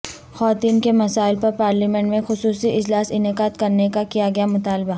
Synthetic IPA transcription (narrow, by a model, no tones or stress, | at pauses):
xwaːt̪iːnkemɐsaːɪlpɐɾpaːɾliːmẽɳʈmẽxʊsuːsiʔɪd͡ʒlaːsɪnɪkaːd̪kɐɾnekakijaɡɐjamʊt̪aːlba